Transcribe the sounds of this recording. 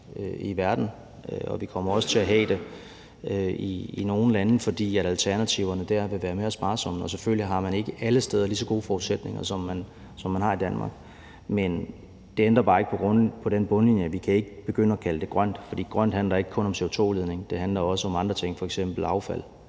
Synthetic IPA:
øiʋæɐd̥n̩ | ɒʋikʰɒ̽m̰ɐɒ̽sə̥t͡sʰe̝æɦɛ̰ːd̥e̝ | øiino̝ːn̩lænəfɒ̽d̥ḭːæɾælt͡sʰæɐnæt͡sʰiʊɐnəd̥æɐʋe̝ʋæːɐmeæsb̥ɑ̈ːsɒ̽m̰n̩ɒ̽s̬efølliɦɑ̈mæne̝ɡ̥əʔæləsd̥eːð̞ˠɐlisɒ̽ɡ̥o̝ːəfɒːʊ̥sed̥ne̝ŋɐsɒ̽mːæn | sɒ̽mːænhɑ̈id̥ænmɑ̈ːɡ̥ | men | d̥e̝end̥ʁɐb̥ɑ̈ːe̝ɡ̥ə̥pʰɒ̽ɡ̥ʁɔnpʰɒ̽ɾ̥enb̥ɔ̽nlinjəʋikʰæe̝ɡ̥əb̥e̝ɡ̥ønəækʰæləd̥e̝ɡ̥ʁɶn̰d̥fɒd̥ḭːɡ̥ʁɶn̰d̥hænlɐe̝ɡ̥əkʰɔ̽nɒ̽mse̝o̝t͡sʰo̝̰ːle̝ð̞ˠne̝ŋd̥e̝ɦænlɐɒ̽səɒ̽mɑ̈nd̥ʁɐt͡sʰe̝ŋ̰fɒ̽eɡ̥sem̰b̥l̩ɑ̈ʊfæl̰

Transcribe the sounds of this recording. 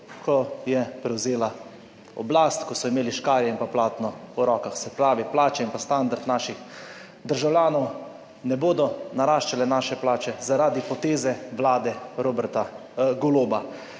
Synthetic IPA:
kʰɔjɛpɾɛwzeːla | ɔ̰blast̪kɔsɔimeːliʃkaːɾjɛimpaplaːt̪nɔuɾɔːkaxsɛpɾaːʋiplaːt͡ʃɛinpast̪and̪aɾt̪naːʃix | d̪əɾʒawljaːnɔw | nɛboːd̪ɔnaɾaːʃt͡ʃalɛnaːʃɛplaːt͡ʃɛzaɾaːd̪ipɔt̪eːzɛʋlaːd̪ɛɾobɛɾt̪a | ɡoloːba

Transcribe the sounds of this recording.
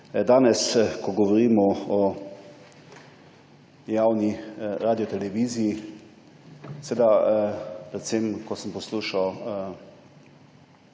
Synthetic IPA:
d̪aːnɛskɔɡɔʋɔɾiːmɔɔ | jawniɾaːd̪ijɔt̪ɛlɛʋiːziː | sʋeːd̪a | pɾɛt̪semkɔsəmpɔsluːʃaw

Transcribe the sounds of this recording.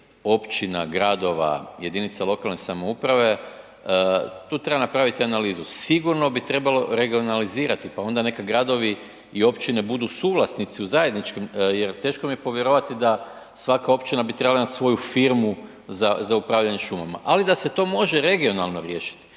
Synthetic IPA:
o̞pt͡ʃina̰ɡɾad̪o̞ʋa̰je̞d̪init̪salo̞kalˠne̞samo̞upɾaʋe̞ | t̪uːt̪ɾe̞banapɾaʋit̪ianaliːzusiɡuɾno̞bit̪ɾe̞balo̞ɾe̞ɡio̞naliziːɾat̪ipao̞nd̪ane̞kaɡɾad̪o̞ʋi | io̞pt͡ʃine̞bud̪usuːʋlˠasnit̪siuzaje̞d̪nit͡ʃkemjeɾt̪e̞ːʃko̞mije̞po̞ʋjeɾoʋat̪id̪a | sʋakao̞pt͡ʃinabit̪ɾebalaimat̪sʋo̞jufiɾmu | zazaupɾaːʋʎaɲeʃuma̰ma̰ʔalid̪ase̞t̪o̞ːmo̞ʒe̞ɾe̞ɡio̞nalˠno̞ɾje̞ːʃi̥t̪i̥

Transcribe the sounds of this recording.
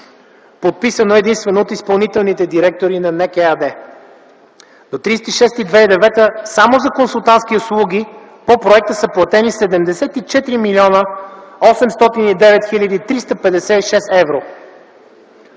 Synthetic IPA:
pot̪̚pisənoɛd̪inst̪vɛnoːt̪ispɐlˠnit̪ɛlˠnit̪ɛd̪iɾɛk̚t̪oɾinɐnɛkɛad̪ɛ | d̪ot̪ɾist̪iʃɛst̪id̪vɛid̪ɛvɛt̪əsamozɐkonsulˠt̪ansk̟iʊslˠuɡ̟ʲi | popɾoɛk̚t̪əsəplˠɐt̪ɛnisɛd̪ɛmd̪ɛsɛt̪it͡ʃɛt̪ɾimilʲiɔnəɔsɛmst̪ɔt̪inid̪ɛvɛt̪xilʲəd̪it̪ɾist̪əpɛd̪ɛsɛiʃɛst̪ɛvɾo

